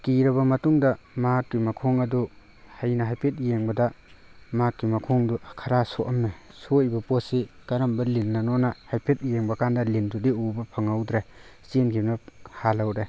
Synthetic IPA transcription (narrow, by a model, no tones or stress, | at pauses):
kiɾɐbɐmɐtuŋdɐmakːimɐkʰoŋɐdu | hajnɐɦajpʰet̚jeŋbɐdɐ | makːimɐkʰɔŋdukʰɐɾasoʔɐmesojbɐposikɐɾɐmbɐlinːɐnɔnahajpʰet̚jeŋbɐkandɐlindudiubɐpʰɐŋawdɾesienkʰip̚nɐhalawɾe